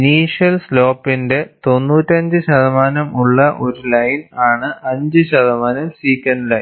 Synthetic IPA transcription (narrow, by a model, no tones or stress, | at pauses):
niːʂjɐlslo̞ːpːinde̞t̪o̞nːuːtːɐɲd͡ʑɨɕɐðɐmaːnɐmuɭːɐʔo̞ɾulɐjnaːɳɨɐɲd͡ʑɨɕɐðɐmaːnɐmsiːkʲːɐnɖlɐj